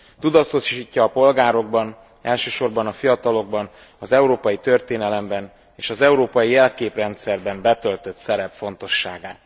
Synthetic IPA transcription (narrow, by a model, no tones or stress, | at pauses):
t̪ud̪ɒt̪ːoʃʃiːcːɒːpo̞lɡaːɾo̞ɡ̚bɒn | ɛlʃøːʃo̞rbɒnɒfijɒt̪ɒlo̞ɡ̚bɒn | ɒzɛuɾoːpɒjit̪ø̞rt̪eːnɛlɛmbɛn | eːʃɒzɛuɾoːpɒjijɛlkeːprɛnt̪sɛrbɛmbɛt̪ø̞lt̪ø̞t̪sɛɾɛpfo̞nt̪o̞ʃːaːɡaːt̪